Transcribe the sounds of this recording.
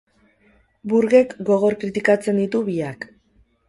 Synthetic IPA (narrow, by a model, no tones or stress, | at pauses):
buɾɣe̞kɡo̞ɣ̞o̞ɾkɾit̪ikat͡se̞nd̪it̪uβiak